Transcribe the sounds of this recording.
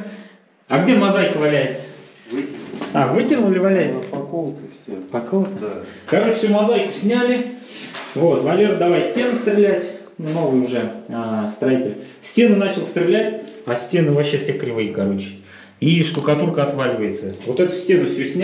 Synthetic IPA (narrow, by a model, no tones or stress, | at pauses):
aɡdʲe̞mɐzajkəvɐlʲæjɪt̪sə̥ | vɨavɨkʲɪrnʊlʲɪvɐlʲæjtʲt̪pɐkolˠkfsʲpɐkolˠkəkɐɾo̞t͡ɕɪ̥fʲsʲumɐzajkʊ̥sʲnʲælʲɪ | vo̞t̪vɐlʲeɾd̪ɐvajsʲtʲe̞nʊst̪ɾʲɪlʲætʲ | no̞vəjʊʊʐɛəst̪ɾɐitʲɪlʲ | sʲtʲe̞nɨnat͡ɕɪlˠst̪ɾʲɪlʲætʲasʲtʲe̞nɨvɐɕːe̞fsʲe̞kɾʲɪvɨjəkɐɾo̞t͡ɕɪ̥ | iʂt̪ʊkɐt̪urkəɐt̪valʲɪvəjɪt̪səvo̞t̪ɛt̪ʊ̥sʲtʲe̞nʊfsʲusʲnʲ